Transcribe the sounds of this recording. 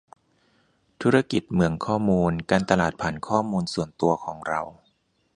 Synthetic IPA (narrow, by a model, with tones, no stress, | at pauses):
t̪ʰuː˦˥ɾa˧ki˨˩t̪̚mɯ˩əŋkʰɔː˥˩muː˧nkaː˧nt̪a˧laː˨˩t̪̚pʰaː˩˦nkʰɔː˥˩muː˧nsu˨˩ənt̪u˧ɐkʰɔː˩˦ŋɾa˧w